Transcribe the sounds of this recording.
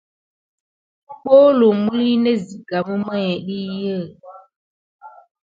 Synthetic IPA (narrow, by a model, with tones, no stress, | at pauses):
k͡po˦lo˨mu˦li˦ne˦zi˨ɡa˨bu˦mə˦ɲɛ˨ɗi˦jə˦˨